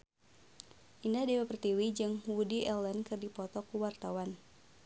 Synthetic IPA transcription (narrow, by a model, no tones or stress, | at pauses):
ʔindahdiwapərt̪iwid͡ʒɨŋwudiʔɛlənkɨrdipɔt̪ɔkuwart̪awan